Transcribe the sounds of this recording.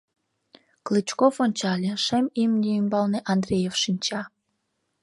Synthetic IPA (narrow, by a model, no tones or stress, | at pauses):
klɨt͡ɕkofonʲt͡ɕɑlʲeʃemimnʲiymbɑlneʔɑnd̪ɾʲrʲejefʃinʲt͡ɕɑ